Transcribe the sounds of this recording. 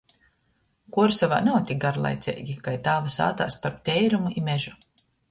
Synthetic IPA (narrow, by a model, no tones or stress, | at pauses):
kuɔɾsava̰ːnawt̪ʲik̚ɡaɾlˠa̰jt̪sʲɛ̰jɡʲikajt̪aːvasa̰ːt̪aːst̪aɾp̚t̪ʲɛjɾumuimʲɛʒu